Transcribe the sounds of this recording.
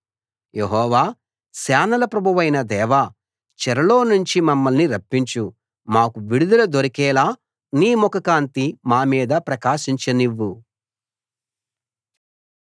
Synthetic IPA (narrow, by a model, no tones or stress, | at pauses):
je̞ɦɔːʋaː | saːnɐlɐpɾɐbʱuʋɐjnɐd̪ɛːʋaː | t͡ʃɛɾɐlo̞ːnuɲt͡ʃimɐmːɐlniɾɐpːiɲt͡ʃu | maːkuʋiɽud̪ɐlɐd̪oɾɐkɛːlaː | niːmɔkɐkaːnt̪imaːmiːd̪ɐpɾɐkaːʃiɲt͡ʃɐniʋːu